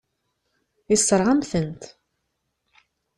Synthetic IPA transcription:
isˤːəɾˤʁamθənt̪

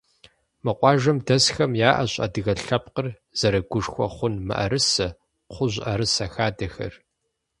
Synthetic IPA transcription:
mɨqʷʼɑːʒɐmdɐsxɐmjaːʔɐɕʼɐ̰dɨɣɐɬɐpqər | z̥ɐɾɐɡʷʊʂxʷɔ̰χʷʊnmɨ̰ʔɐ̰ɾɨsɐ | qʷʊʑʷʔɐɾɨsɐxaːdɐxɐ̰r

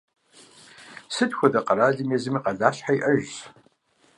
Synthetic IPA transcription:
sɨdxʷɔdɐqɐɾaːɮɨmɛzɨmiːqɐɮaːɕħaiʔɐʒ

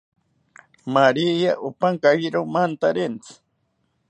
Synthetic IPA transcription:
maɾijaʔupaŋkaiɾomant̪aɾent͡sʰi̥

